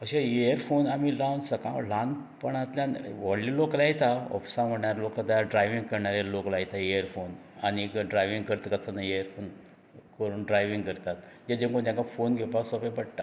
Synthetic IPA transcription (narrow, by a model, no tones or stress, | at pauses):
əɕeejəɾfonamiɾawnsəkãlãn | pəɳat̪ljãʋɔɽliloklajt̪aɔ̰fi̥sãm̤əɽɳaɾaloklad̪ajaɖɾajʋiŋɡ̚kəɾɳaɾeloklajt̪aeəɾfon | añikɖɾajʋĩŋɡkəɾt̪kət͡sanaejəɾfon | kəɾuːnɖɾajʋiŋɡkəɾt̪at̪d͡ʑed͡ʑẽŋkõt̪jãkafonɡʱepasɔpepəɽʈ̪a̰